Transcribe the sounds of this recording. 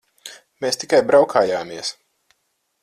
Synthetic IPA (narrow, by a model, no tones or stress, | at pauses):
meːst̪ikajbɾawkʰaːjaːmiɛəs